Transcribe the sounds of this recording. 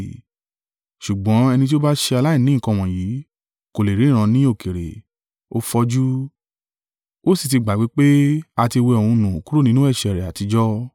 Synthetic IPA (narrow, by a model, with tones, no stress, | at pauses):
ʃu˨ɡ͡bɔ̃˨˦ɛ˧nĩ˧t̬i˦o˦ba˦ʃe˧a˧la˦i˦˨nĩ˨˦˨kã˧˨w̃ɔ̃˨jiː˨˦ | ko˨le˨ɾi˨˦ĩ˦˨ɾ̃ã˧nĩ˦o˦˨ke˨ɾḛ˨ | o̰˦fɔ˧d͡ʒu˦ | wo˦si˦˨ti˧ɡ͡ba˨ɡ͡bi˨˦k͡pe˦a˧ti˧we˧ɔ̃˧˨ũ˧nũ˨o˨ku˦ɾo˦˨nĩ˦nũ˦ɛ˦˨ʃɛ˨ɾɛ˨a˨ti˨˧d͡ʒɔ˦